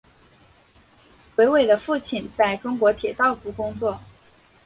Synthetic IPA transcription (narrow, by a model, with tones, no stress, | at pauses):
xwe˧˥ɪwe˨˩ɪd̪ə˩fu˥˩t͡ɕʰi˨˩nt͡sa˥˩ɪʈ͡ʂʊ˥ŋkwɔ˧˥t̪ʰjɛ˨˩t̪ɑ˥˩ʊfu˧˥kʊ˥ŋt͡swɔ˥˩